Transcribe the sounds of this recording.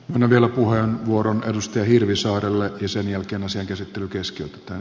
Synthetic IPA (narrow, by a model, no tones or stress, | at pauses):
mønːæʋielæpuhenʋuoɾonedust̪ɑjɑhirʋisɑːrelːejɑsenjælkeːnɑsiɑŋkæsit̪ːelykeskiøt̪e̥t̪æːn